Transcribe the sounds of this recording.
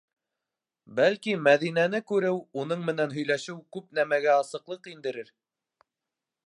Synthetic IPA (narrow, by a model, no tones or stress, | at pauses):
bælkimæðinænɘkʉɾɘwunɤɴmɘ̆nænɦɵ̆jlæʃɘwkʉp̚n̪æmæɡæɑsɤ̆qlˠɤqind̪ɘ̆ɾɘɾ